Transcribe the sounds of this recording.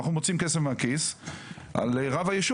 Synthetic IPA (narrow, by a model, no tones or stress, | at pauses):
aχnumo̞t͡simkesefmeakis | ʔa̰leʁavajeʃu